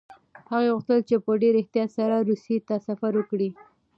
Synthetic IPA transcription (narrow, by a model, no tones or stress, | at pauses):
haɣeɣuxt̪əlt͡ʃepəɖeɾɪht̪ijɑt̪saɾaɾuset̪asafaɾwəkɽi